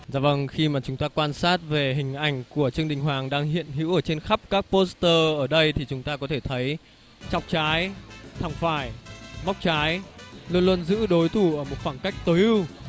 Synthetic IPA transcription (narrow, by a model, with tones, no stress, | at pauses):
zaː˧˩və˨˩ŋxi˧maː˨˩t͡ɕʊ˨˦ŋ͡mt̪aː˧kwaː˧nsaː˦˥t̚ve˨˩ɦï˨˩ŋ̟ʔa˧˩jŋ̟ku˧˩ət͡ɕɨ˧əŋɗï˨˩ŋ̟ɦwaː˨˩ŋɗaː˧ŋɦḭ˧˨ənɦḭ˧˥wʔəː˧˩t͡ɕe˧nxa˦˥p̚kaː˦˥k̚po˦˥st̪əː˧ʔəː˧˩ɗə˧jt̪ʰi˨˩t͡ɕʊ˨˦ŋ͡mt̪aː˧kɔ˨˦t̪ʰe˧˩t̪ʰə˨˦j | t͡ɕɔ˨˩wk͡p̚t͡ɕaː˨˦jt̪ʰa˨˧˩ŋ͡mfaː˧˩jma˦˥wk͡p̚t͡ɕaː˨˦jlu˧ənlwə˧nzɨ̰˧˥ɗo˨˦jt̪ʰu˧˩ʔəː˧˩mo˨˩t̚fa˧˩ŋka˦˥jk̟̚t̪əː˨˦jʔɨ˧w